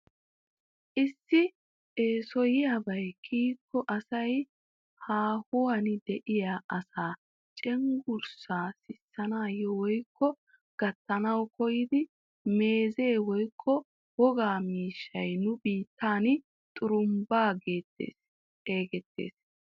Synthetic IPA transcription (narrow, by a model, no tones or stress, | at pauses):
ʔɪsːɪ | eːsɔjɪjabɐjkʰiːkːɔʔɐsɐj | haːhʊwɐnɪd̪ɛʔɪjaʔɐsaː | t͡ʃʼɛŋɡʊɾsaːsɪsːɐnaːjɔwɔjkːɔ | ɡ̥ɐt̪ːɐnɐwkɔjɪd̪ɪ | me̞ːze̞ːwɔjkʰːɔ | wɔɡaːmiːʃːɐjnʊbiːt̪ʰːaːn | t̪ʼʊɾʊmbaːɡe̞ːt̪ːḛːs | e̞ːɡɛt̪ːe̞̰ːs